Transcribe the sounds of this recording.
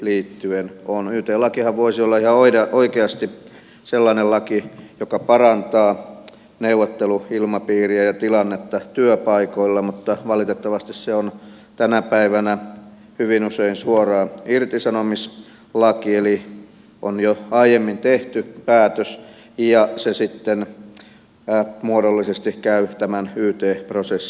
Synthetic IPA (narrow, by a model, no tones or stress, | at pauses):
liːt̪ːyenonyːt̪eːlɑkihɑʋʋoisiolːɑihɑoiɑʔoikeɑst̪i | selːɑnellɑkijokɑpɑrɑnt̪ɑː | neuʋːˑot̪ːeluilmɑpiːriæjɑt̪ilɑnːet̪ːɑt̪yøpɑikoilːɑmut̪ːɑʋɑlit̪et̪ːɑʋɑst̪isseon | t̪ænæpæiʋænæ | hyʋinuseinsuorɑːirt̪isɑnomis | lɑkieli | ʔonjoɑijemːint̪eht̪ypæːt̪øs | jɑsesit̪ːen | muodolːisest̪ikæyt̪æmænyːt̪eːprosesːi̥